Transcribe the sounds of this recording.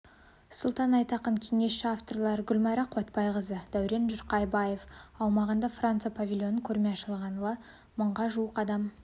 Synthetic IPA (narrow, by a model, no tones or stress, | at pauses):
sʊlˠt̪ɑnɑjt̪ɑqəɴkʲʰe̞ŋe̞sʃɪaft̪o̞rlˠɑɾɡʲʏlʲmɑɾɑqʰot̪pɑjʁəzəd̪æwɾe̞nʒʊɾqɑjbɑjefɑwmɑʁənd̪ɑfrant̪sɨjapʰavʲilʲjo̞nəkʲʰɵɾmʲeɑʃəlˠʁɑnəw̪ˠɑ | məɴʁɑʒuəqɑd̪ɑm